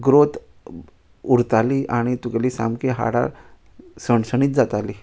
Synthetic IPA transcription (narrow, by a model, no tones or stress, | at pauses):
ɡɾot̪ | uɾt̪aliʔaɽ̃it̪ukaliːsa̰mkiɦa̰ɽa̰ | səɳsəñiːt̪̚d͡zat̪aliː